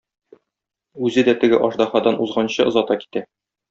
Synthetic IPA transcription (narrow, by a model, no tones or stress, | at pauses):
ʉzɘd̪æt̪ɘ̆ɡɘʔɒʃd̪ɑχɑd̪ɑnʔuzʁɑnɕɤʔɤ̆zɒt̪ɑki̥t̪æ